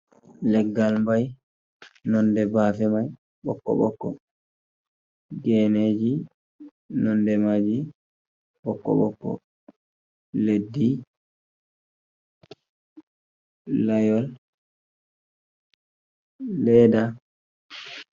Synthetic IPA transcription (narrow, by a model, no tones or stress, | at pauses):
lɛɡːalmbaj | nɔndɛbaːfɛmaj | ɓɔ̰kːɔ̰ɓɔ̰kːɔ̰ | ɡɛːneːd͡ʒi | nɔndɛmad͡ʒi | ɓɔkːɔ̰ɓɔ̰kːɔ̰ | ledːi | lajɔl | ɛːda